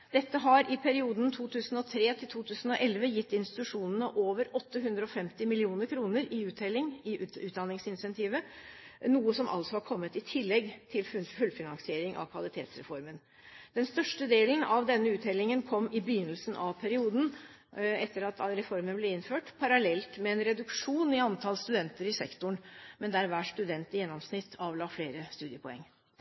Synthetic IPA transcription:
d̪̥ɛt̪ːəɦɑɾɪpʰæɾɪuːd̪n̩t̪ʰuːt̪ʰʉːsn̩ɔt̪ʰɾeːt̪ʰɪlt̪ʰuːt̪ʰʉːsn̩ɔʔɛlʋəjɪt̪ːɪnst̪ɪt̪ʉʂuːnənəʔoːʋəɾɔt̪ːəɦʉnd̪ɾəɔfɛmt̪ɪmɪlɪuːnəɾkʰɾuːnəɾɪʉːt̪ɛlːɪŋɪʉːt̪d̪ɑnɪŋsɪnɪsɛnt̪ʰiːʋə | nuːəsɔmʔɑ̰lsɔhɑkʰɔmːət̪ɪt̪ʰɪlːɛɡt̪ʰɪlffʉlfɪnɑnsɪeːɾɪŋʔɑ̰ʋkʰʋɑlɪt̪ʰḛːt̪sɾɛ̰fɔɾmən | d̪̥ɛnst̪œʂʈəd̪eːlənɑʋd̪ɛnːəʉːt̪hɛlːɪŋənkʰɔmːɪbɪjʏnəlsn̩ʔɑʋpʰæɾɪuːd̪n̩ | ɛt̪ːəɾɑt̪ɾɛfɔɾmənblɛɪnføːʈpʰɑɾɑlɛlt̪mɛɛnɾɛd̪ʉkʂuːnɪɑnt̪ʰɑlst̪ʉd̪ɛnt̪əɾɪsɛkt̪ʊɳmɛnd̪æɾʋæːʂt̪ʉd̪ɛnt̪jɛnːɔmsnɪt̪ʰːɑʋlɑːfleːɾəst̪ʉːd̪ɪəpʰɔɛ̰ŋː

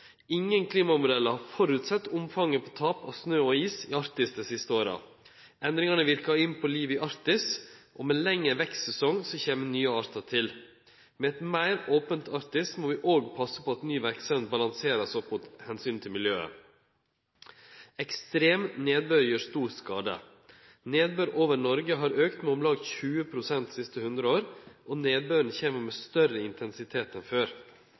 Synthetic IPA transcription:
ɪŋːənkʰliːmɑmʊd̪ɛlːəhɑɾfɔɾʉt̪sɛt̪ːʊmfɑŋːəpʰot̪ʰɑːpɑ̰snøːɔiːsɪɑɾt̪ɪsd̪ɛsɪst̪əoːɾɑ̰ | ʔɛnd̪ɾɪŋɑnəʋɪɾkɑɪnpʰɔliːʋəɪʔɑɾt̪ɪsʔɔmɛlɛŋːəʋɛkssɛsɔŋsɔçeːmənyːəɑːɾt̪ət̪ʰɪl | mɛɛt̪mæɪɾoːpənt̪ʰɑɾt̪ɪsmoːʋɪʔoːɡpʰɑsːəpʰɔɑt̪nyːʋæɾksɛnbɑlɑŋseːɾɑsɔpmʊt̪hɛnsyːnt̪ʰɪlmɪljøːə̰ | ɛkst̪ɾeːmneːd̪̚bøɾjøːst̪uːɾskɑːd̪ə̰ | neːd̪̚bøɾʔoːʋəɾɳɔɾɡəɦɑːɾøːkt̪mɛɔmlɑːɡçʉːəpʰɾʊsɛnt̪sɪst̪əhʉnd̪ɾəoːɾʔɔneːd̪̚bøɾn̩çeːməɾmɛːst̪œɾəɪnt̪ʰɛnsɪt̪ʰeːt̪ɛnføːɾ

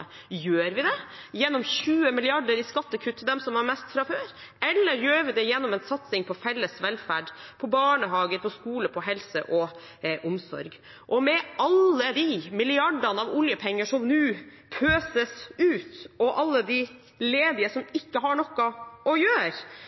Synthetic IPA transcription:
jøːɾʋɪd̪ɛjɛnːɔmçʉːəmɪlɪɑɖəɾɪskɑt̪ːəkʰʉt̪ːd̪ɛmsɔmɑɾmɛst̪fɾɑføːɾ | ɛlːəɾjøːɾʋɪd̪ɛjɛnːɔmɛnsɑt̪sɪŋpʰɔfɛlːəsʋɛlfæːɖpʰɔbɑːɳəɦɑːɡəɾpʰɔskuːləpʰɔɦɛlsə̰ʔɔ | ʔʊmsɔ̰ɾɡ | ʔɔmɛɑlːəd̪ɪmɪlɪɑɖɑnəɑʋʊljəpʰɛŋːəʂɔmnʉː | pʰøːsəsʉːt̪ɔʔɑlːəd̪ɪ | leːd̪ɪəsɔmɪkːəɦɑɳɔkːɑʔɔjøːɾ

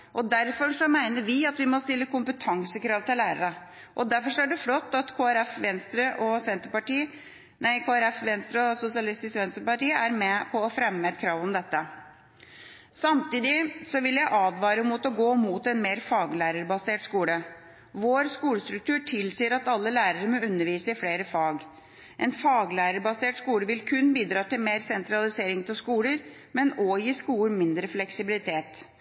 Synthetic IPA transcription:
ʔɔd̪æɾfɔɾʂɔmæɪnəɾʋɪɑt̪ʋɪmɔst̪ɪlːəkʊmpət̪ʰɑŋsəkʰɾɑːʋt̪ɪlæːɾəɾə | ʔɔd̪æɾfɔɾʂɔæɖʉflɔt̪ːɑt̪kʰoːæɾɛfʋɛnst̪ɾəʔɔsɛnt̪əɾpɑʈiː | næɪkʰoːæɾɛfʋɛnst̪ɾəɔsʊsɪɑlɪst̪ɪskʋɛnst̪ɾəpɑʈiːəæɾmɛpʰɔɔfɾɛmːəɛt̪kʰɾɑːʋɔmd̪ɛt̪ːə | sɑmt̪iːd̪ɪsɔʋɪljæɪʔɑːʋʋɑːɾəmut̪ɔɡoːmuːt̪ɛnmeːɾfɑːɡlæːɾəɾbɑseːʈskuːlə | ʋoːɾskuːləst̪ɾʉk̚t̪ʰʉːʈʰɪlsiːəɾɑt̪ɑlːəlæːɾəɾəmɔʉnːəɾʋiːsəɪfleːɾəfɑːɡ | ʔɛnfɑːɡlæːɾəɾbɑseːʈskuːləʋɪlkʰʉnːbiːd̪ɾɑːt̪ɪlmeːɾsɛnt̪ɾɑlɪseːɾɪŋt̪ʰɪlskuːləɾ | mɛnɔjiːskuːəɾmɪnd̪ɾəflɛksɪbɪlɪt̪ʰeːt̪

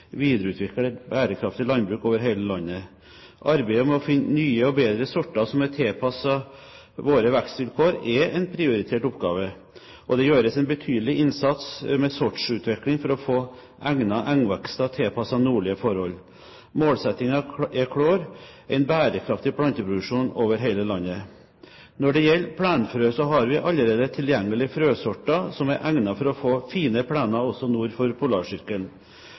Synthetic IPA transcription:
ʋiːd̪ɾəʉːt̪ʰʋɪkːəɛbæːɾəkʰɾɑft̪ɪlɑnbɾʉːkoːʋəɾɦeɪləlɑnːə | ʔɑɾbæɪɔmɛɔfɪnnyːəɔbeːd̪ɾəsɔʈːɑsɔmɛt̪ʰeːpʰɑsɑ | ʋoːɾəʋækst̪ʋɪlkʰoːɾɛɛɪnpʰɾɪʊɾɪt̪ʰeːʈɔpɡɑ̰ːʋə | ʔɔd̪ɛjøːɾəsɛɪnbət̪ʰyːd̪əlɪʔɪnsɑt̪smɛsɔʈʂʉːt̪ʰʋɪklɪŋfɔɾɔfoː | ʔæŋnɑʔæŋʋɛkst̪ɑt̪ʰeːpʰɑsɑnuːɭɪəfɔɾhɔl | moːlsɛt̪ɪŋɑɛkʰɽoːɾʔæɪnbæːɾəkʰɾɑft̪ɪpʰɽɑnt̪əpɾdʊʉʂuːnoːʋəɾɦeɪləlɑnːə | nɔɖɛjɛlːpʰɽæːnfɾøːsɔɦɑɾʋɪʔɑlːəɾeːd̪ət̪ʰɪljɛŋːəlɪfɾøːsɔʈːɑsɔmæɾʔæŋnɑfɔɾɔfoːfiːnəpʰɽæːnɑɔsɔnuːɾfɔɾpʰʊlɑːʂʏɾkəl

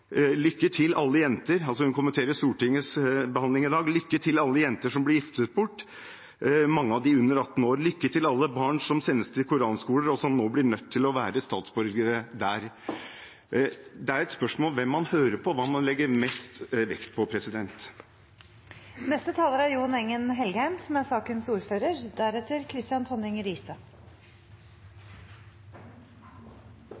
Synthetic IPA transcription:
lʏkːəʈʰɪlɑlːəjɛnt̪əɾɑls̬ɔhʉnkʊmənt̪ʰeːɾəʂt̪uːʈɪŋːəsbəhɑnlɪŋɪd̪ɑːɡlʏkːət̪ʰɪlɑlːəjɛnt̪əʂɔmblɪɾjɪft̪ət̪̚bʊʈː | mɑŋːəɑʋd̪ɪʉnːəɾɑt̪ːn̩oːɾlʏkːəʈɪlɑlːəbɑːɳʂɔmsɛnːəst̪ʰɪlkʰʊɾɑːnskuːləɾɔsɔmnoːblɪɳœt̪ʰːɪlɔʋæːɾəst̪ɑːt̪sbœɾɡəɾəd̪æːɾ | d̪ɛæɾɛt̪spœʂmoːlʋɛmːɑnhøːɾəpʰɔʋɑːmɑnlɛɡːəɾmɛst̪ʋɛ̰kt̪pʰɔpʰɾɛsɪd̪ɛnt̪ | nɛst̪ət̪ʰɑːləɾæɾjuːnɛŋːənɦɛlɡəhæɪmsɔmæsɑːkənsuːɾføːɾəɾd̪æɾɛt̪ːəɾkʰɾɪst̪ɪjɑnt̪ʰɔnɪŋəɾiːsə

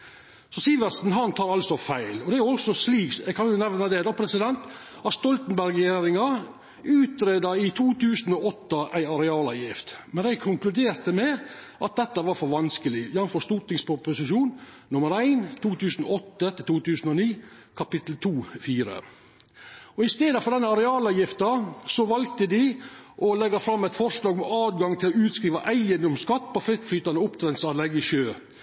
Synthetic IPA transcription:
sɔsiːʋəsn̩ɦɑnt̪ʰɑːɾɑlsɔfæɪlɔd̪ɛæʊɔsɔsliːkɛkʰɑnjʊnɛʋnəd̪ɛd̪ɔpʰɾɛsɪd̪ɛnt̪ | ɑst̪ɔlt̪n̩bæɾɡjeːɾɪŋɑ | ʉːt̪ɾeːd̪ɑɪt̪ʰuːt̪ʰʉːsn̩ɔːɔt̪ːəʔæɪɑɾɛɑːlɑjɪft̪mɛnæɪɡkʰʊŋklʉd̪eːɾt̪əmɛ | ʔɑt̪̚d̪ɛt̪ːəʋɑɾfɔɾʋɑnskəlɪjɑnfɔʂt̪uːt̪nɪŋspʊpʊsɪʃuːn | nʊməɾæɪnt̪ʰuːt̪ʰʉːsn̩ɔt̪ːət̪ət̪ʰuːt̪ʉːsn̩ɔniː | kʰɑpɪt̪l̩t̪ʰuːfiːɾə̰ | ɔɪst̪eːd̪əfɔɾɖ̪ɛnːəɑɾɛɑːlɑjɪft̪ɑsɔʋɑlkt̪əd̪ɪʔɔlɛɡːɑfɾɑmːɛɪt̪fɔɾʂlɑːɡmɛɑːd̪ɡɑŋt̪ʰɪlɔʉːt̪skɾiːʋɑʔæɪənd̪ɔmskɑt̪ːpʰɔfɾɪt̪flyːt̪ɑnəʊpt̪ʰɾɛnt̪sɑd̪lɛɡːɪʃøː

